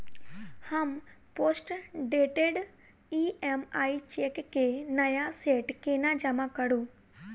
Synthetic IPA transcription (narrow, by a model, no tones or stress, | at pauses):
hampoːsʈɖeːʈeɖ | iemaːit͡ʃekːenɐjaseːʈkeːnad͡ʒɐmãkɐɽu